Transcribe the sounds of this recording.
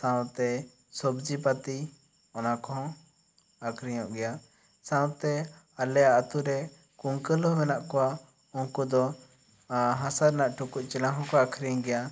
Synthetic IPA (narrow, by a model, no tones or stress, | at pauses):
sãw̃t̪ɛ | sɔbd͡ʒipat̪i | ɔnakɔ̃ | akʰɾiɲɔ̃ʔɡɛja | sãwt̪ɛ | alɛjaːt̪uɾɛ | kuŋkəlɔmɛnaʔkɔwa | ɔŋkud̪ɔ | ɦãsaɾnaʔʈukuʔ̚t͡ʃɛlãɦɔ̃kɔakʰɾiŋɡɛja